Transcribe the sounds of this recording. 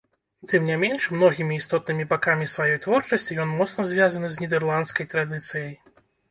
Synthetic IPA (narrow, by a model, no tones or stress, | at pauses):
t̪ɨmnʲamʲenʂmnɔɣʲimʲiːst̪ɔt̪nɨmʲibakamʲisvajɔjt̪vɔrt͡ʂɐsʲt͡sʲijɔnmɔt̪snɐzʲvʲazɐnɨzʲnʲɛd̪ɛrlˠant̪skɐjt̪ɾad̪ɨt̪sɨjɐj